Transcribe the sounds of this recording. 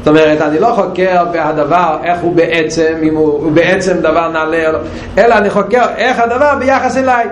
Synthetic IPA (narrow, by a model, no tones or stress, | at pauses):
tomɛʁɛtaniloχokɛʁbɪhadavaʁɛχhubɛʔɛt͡sɛmimuubɛɛt͡sɛmdavaʁnalɛolo | ɛlɐaniχokɛʁɛχhadavaʁbɪjaχasɛlaɪ